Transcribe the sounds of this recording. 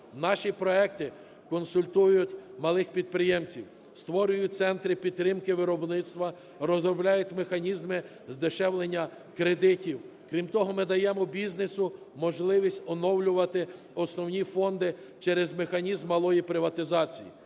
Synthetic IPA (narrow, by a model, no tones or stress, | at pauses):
nɑʃipɾɔɛk̚t̪ɪ | kɔnsʊlʲt̪ujjʊtʲmɐlˠɪxpʲid̪̚pɾɪjɛmt͡sʲiw | st̪ʋɔɾʲʊjʊt̪sɛnt̪ɾɪpʲidt̪t̪ːɾɪmkɪʋɪɾɔbnɪt̪st̪ʋɐ | rɔzɾɔblʲajʊtʲmexɐnʲizmɪ | zd̪ɪʃɛwlˠenʲːɐ | kɾed̪ɪtʲiw | kɾʲimt̪ɔɦɔmɪd̪ɐjɛmɔbʲiznesʊ | mɔʒlˠɪʋʲisʲtʲɔnɔwlʲʊʋɐt̪ɪ | ɔsnɔwnʲifɔnd̪ɪ | t͡ʃɛɾɛzmexɐnʲizmːɐlˠɔjipɾɪʋɐt̪ɪzɑt͡sʲijḭ